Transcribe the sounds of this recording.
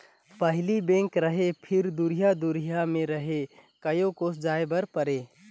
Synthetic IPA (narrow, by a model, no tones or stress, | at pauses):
pəɦlibẽŋkɾəɦepʰɪɾd̪uɾijad̪uɾijamẽɾəɦekəjokosd͡ʒaːebəɾpəɾe